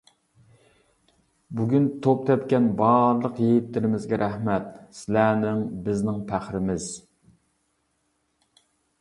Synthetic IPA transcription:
buɡʲynt̪ʰop̚t̪ʰɛp̪̚kʲɛnbɑɾlˠəqjejit̪ːɪɾɪmɪzɡʲɛɾʔæhmɛt̪sɪlænɪŋbɪznɪŋpʰæχɾɪmɪz̥

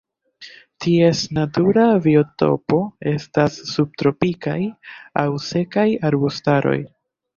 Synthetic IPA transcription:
tie̞snatuɾavio̞to̞̰po̞e̞stasːub̚tɾo̞pikajawse̞kajaɾbustaɾo̞̰j

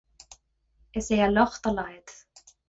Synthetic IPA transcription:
ɛseːjalɔxt̪alaːjɪt̪

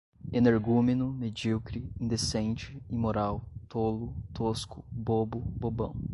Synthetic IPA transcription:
eneɾɡumenʊmed͡ʒiwkɾiĩnd̪esẽnt͡ʃɪimoɾawt̪olʊt̪oskʊbobʊbobɐ̰̃w̃

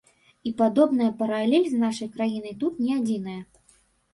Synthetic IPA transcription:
ipad̪ɔbn̪ɐjɐpɐɾalʲɛlʲznaʂɐjkɾajinɨjt̪ut̪nʲɛad͡zʲinɐjɐ

